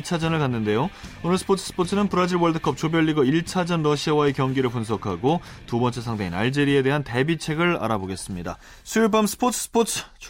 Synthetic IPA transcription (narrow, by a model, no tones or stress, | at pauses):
t͡ɕʰad͡ʑʌnɯɭkanːɯnde̞joonɯɭsʰɯ̥pʰotʰɯ̥s͈ʰɯ̥pʰot͡ɕʰɯnɯnpɯɾad͡ʑiɭwʌɭdɯkʰʌp̚t͡ɕobjʌɭːiɡʌiɭt͡ɕʰad͡ʑʌnɾʌɕʰiawae̞kjʌŋɡiɾɯɭpunsʰʌkʰaɡotubʌnt͡ɕ͈e̞sʰaŋdeina̰ɭd͡ʑe̞ɾie̞de̞ɦante̞bit͡ɕʰe̞ɡɯɭa̰ɾaboɡe̞s͈ɯmɲida̰ | sʰuiɭbamsʰɯ̥pʰotʰɯ̥sʰpʰot͡ɕʰ